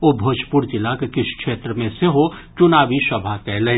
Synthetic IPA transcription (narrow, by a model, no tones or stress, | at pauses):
obʱoːd͡ʒʱpʊɾd͡ʒɪlakekɪʃkʃeːt̪ɾəmẽseɦot͡ʃʊnaːʋisɐbʱakɛːlẽ